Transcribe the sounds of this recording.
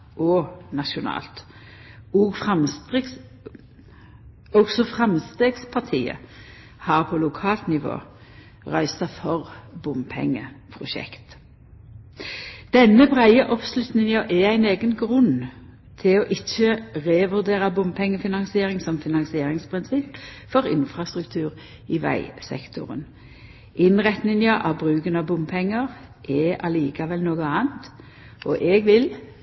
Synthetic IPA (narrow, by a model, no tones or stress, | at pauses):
ʔɔnɑʃʊnɑ̰ːlt̪ | ɔɡfʁɑm | ɔɡsɔfʁɑmst̪eːɡspʰɑʁt̪ʰiːə̰ | hɑːʁpʰɔlʊkʰɑːlt̪nɪʋo̰ː | ʁœʏsɑfɔʁbʊmpʰɛ̰ŋːəpʰʁʊʃɛ̰kt̪ | d̪̥ɛnːəbʁæɪəʔɔpslʉt̪nɪŋɑʔɛæɪneːɡənɡʁʉn | t̪ʰɪloːʔɪt͡ʃːəʁeːʋʉʁd̪eːʁɑbʊmpʰɛŋːəfɪnɑŋsɪeːʁɪŋsɔmfɪnɑŋsɪeːʁɪŋspʰʁɪnsɪp | fɔʁɪ̰nfɾɑst̪ʁʉk̚t̪ʰʉːʁ | ɪʋæ̰ɪsɛ̰kt̪ʰʊ̰ʁə̰n | ɪnʁɛt̪nɪŋəʔɑbʁʉːkənɑbʊmpʰɛŋːəʁʔɛʔɑliːkɑʋɛlnoːɡəɑːnt̪ | ʔɔʔɛɡʋɪl